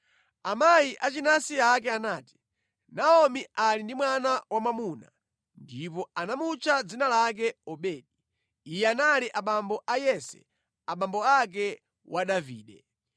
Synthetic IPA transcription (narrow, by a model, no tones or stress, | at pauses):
amajiʔat͡ʃinasiak̬ɛanaːti̥ | naɔmiʔalindimwanawamamuna | ndipɔanamut͡ʃʰad͡zinalak̬ɛɔɓɛːɗi | ijɛanaliʔaɓambɔʔajɛsɛ̰ | aɓambɔak̬ɛ | wʔaɗavḭːɗɛ